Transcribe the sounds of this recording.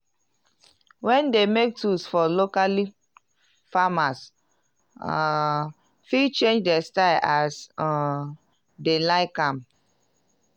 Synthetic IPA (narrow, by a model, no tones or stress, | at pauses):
wɛ̃ndemek̚tʰusfɔlokali | famas | filt͡ʃẽnd͡ʒdɛstaɪlʔas | delaɪkãm